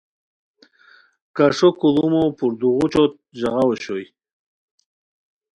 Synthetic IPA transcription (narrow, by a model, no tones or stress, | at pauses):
kaʂokulumopuɾd̪uʁut͡ɕot̪̚ʑaʁawoɕoj